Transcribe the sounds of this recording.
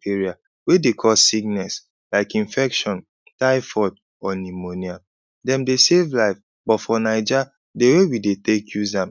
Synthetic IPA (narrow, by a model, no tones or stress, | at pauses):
eɹia | wedekʰɔsiɡnɛs | laɪkĩnfɛkʃɔ̃n | taɪfɔd | ɔnimonia | dɛ̃mdesevlaɪf | bɔtfɔnaɪd͡ʒa | dewewidetekʰjuzãm